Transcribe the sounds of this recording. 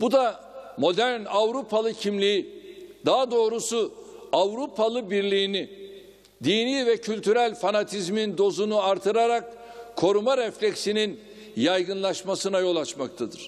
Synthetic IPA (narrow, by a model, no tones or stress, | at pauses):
bud̪a | mo̞d̪æɾnavɾupʰalˠɯcʰimlʲiid̪aɦad̪o̞ːɾusuavɾupʰalˠɯbiɾlʲijːni | d̪iːniːvɛcʰylʲt̪ʰyɾælʲfanat̪ʰizmind̪o̞zunuaɾt̪ʰɯɾaɾak | kʰːo̞ɾumaɾɛflʲɛcsinin | jajɡɯnlˠaʃmasɯnajo̞lˠat͡ʃmakt̪ʰad̪ɯɾ̥